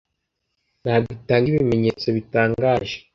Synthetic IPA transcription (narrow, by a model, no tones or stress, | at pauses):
naːɡitaːŋɡiβime̞ɲet͡so̞βitaːŋɡaːʒe̥